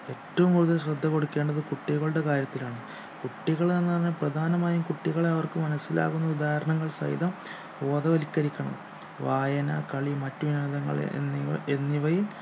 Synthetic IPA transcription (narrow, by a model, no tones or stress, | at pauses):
e̞tːɐʋumkuɽuðɐlɕrɐd̪ʱːɐkːo̞ɽukːe̞ːɳɖɐðɨkuʈːiɣɐɭuɽe̞kaːɾjɐt̪ːilaːɳɨ | kuʈːiɣɐɭnenːɨɐrɲːɐprɐd̪ʱaːnɐmaːjumkuʈːiɣɐɭeɐʋɐrkɨmɐnɐsːila̰ːɣunːɐud̪aːɦɐɾɐɳɐŋːɐɭsɐ̰jḭd̪ɐm | o̞ːðɐʋɐlikːɐɾikʲːɐɳɐ̰m | ʋaːjɐnɐkɐɭimɐtːuʋinɐɐðɐŋːɐ̰ɭ̰ | enːiʋɐjil